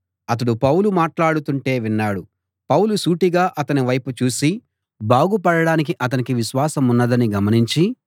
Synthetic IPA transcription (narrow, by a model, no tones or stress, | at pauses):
ɐt̪̬ɐɽupɐwlumaːʈlaːɽut̪uɳʈe̞ːʋinːaːɽu | pɐwlusuːʈiɡaːʔɐt̪ɐniʋɐjput͡ʃuːsi | baːɡupɐɽɐɽaːnik̬iʔɐt̪̬ɐnikiʋiʃʋaːsɐmunːɐd̪ɐniɡɐmɐniɲt͡ʃi